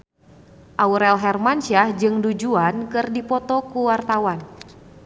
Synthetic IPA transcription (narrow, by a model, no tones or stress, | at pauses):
ʔauɾɛlɦɛrmanʃahd͡ʒɨŋdud͡ʒuankɨrdipɔt̪ɔkuwart̪awan